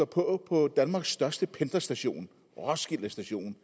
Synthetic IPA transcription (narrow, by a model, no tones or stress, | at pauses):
ɒpʰɒ̽pʰɒ̽d̥ænmɑ̈ːɡ̥sːd̥ɶɐsd̥əpʰend̥ɐsd̥æɕo̝̰ːn | ʁɒsɡ̥il̰ɐsd̥æɕo̝̰ːn